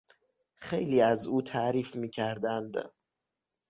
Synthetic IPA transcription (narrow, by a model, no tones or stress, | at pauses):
xejliːæzuːt̪ʰæɾiːfmiːcʰæɾd̪ænd̪